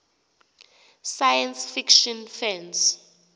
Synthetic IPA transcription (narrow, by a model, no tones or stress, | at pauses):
sajɛnsfikʃɔnfɛns